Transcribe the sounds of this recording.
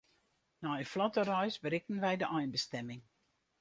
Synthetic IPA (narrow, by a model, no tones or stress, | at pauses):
naəflɔtərœjsbəɾɪk̚ən̩ʋɛjdəʔɔjnbəstɛmɪŋ